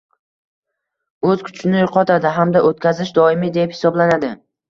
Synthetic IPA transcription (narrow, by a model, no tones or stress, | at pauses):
ɵzkʲʰʊ̥t͡ʃʰɪnɪjʊqʰɒt̪ʰad̪ɪɦamd̪aʔot̪kʲazɪʃd̪ɒɪmɪd̪e̞phɪ̥sɒblanad̪ɪ